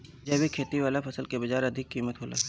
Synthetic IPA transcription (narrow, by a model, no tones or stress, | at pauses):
d͡ʒɐːbʱikʰeːt̪iʋaːlapʰɐsəlkebɐd͡ʒaːɾɐd̪ʱɪkːiːmət̪ɦoːla̰